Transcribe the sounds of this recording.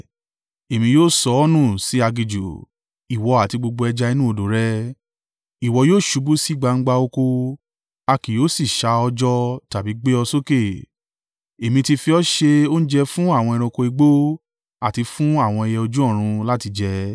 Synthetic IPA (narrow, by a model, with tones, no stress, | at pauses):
e˨mĩ˧joː˦˨sɔ˧˦ɔ˦nũ˦˨si˨˦a˧ɡi˨d͡ʒṵ˨ | i˨wɔ˨˧a˨ti˧ɡ͡bo˧ɡ͡bo˧ɛ˧d͡ʒa˧i˧nũ˦o˧do˨˦ɾɛ˦ | i˨wɔ˧joː˦˨ʃu˨˧bu˦si˦˨ɡ͡ba˧ŋ̩˦ɡ͡ba˧o˧ko˧ | a˧ki˨joː˦si˦˨ʃa˧ɔ˧d͡ʒɔ˧ta˨bi˨˦ɡ͡be˦ɔ˧so˦ke˦˨ | e˨mĩ˧ti˧fi˧ɔ˦ʃe˧o˦ñ̩˦d͡ʒɛ˧fũ˦a˦˨w̃ɔ̃˧ɛ˧ɾ̃ɔ̃˧ko˧i˧ɡ͡bo˦ | a˦˨ti˧fũ˦a˦˨w̃ɔ̃˧i˧jɛ˧o˧d͡ʒũ˦ɔ̃˦˨ɾ̃ũ˧la˦ti˧d͡ʒɛ˧